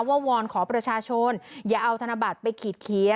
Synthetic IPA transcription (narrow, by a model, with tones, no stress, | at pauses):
waː˥˩wɔː˧nkʰɔː˩˦pɾa˧t͡ɕʰaː˧t͡ɕʰo˧njaː˨˩ʔa˧wt̪ʰa˧na˧ba˨˩t̪̚pa˧jkʰiː˨˩t̪̚kʰi˨˩˦